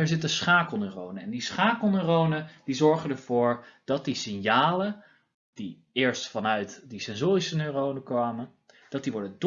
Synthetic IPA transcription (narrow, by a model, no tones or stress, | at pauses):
ɛɹzɪtənsχaːkəl̩ˠnørownəɛndisχaːkəl̩ˠnørownəd̥izɔɹχəndəɹv̥ʊːɹd̥ɑt̚disɪnjaːlə | d̥i | ɪːɹstfɑnœɥtdisɛnzoːrisənørownəkʋaːmə | d̥ɑt̚diʋɔɹdəd